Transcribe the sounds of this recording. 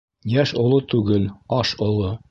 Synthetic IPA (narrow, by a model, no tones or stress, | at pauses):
jæʃŏlˠot̪ʉɡɘlɑʃŏlˠo